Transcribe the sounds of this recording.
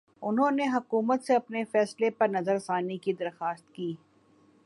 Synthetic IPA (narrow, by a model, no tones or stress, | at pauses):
ʊnɦõːneɦɐkuːmət̪seɐpnefɛːslepɐɾnɐzəɾɐsaːnikid̪ɐɾxaːst̪̚kiː